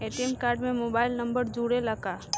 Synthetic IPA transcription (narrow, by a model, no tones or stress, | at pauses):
eʈemkaːɾɖmẽmoːbaːɪlnɐ̃mbəɾd͡ʒuːɽelɐkaː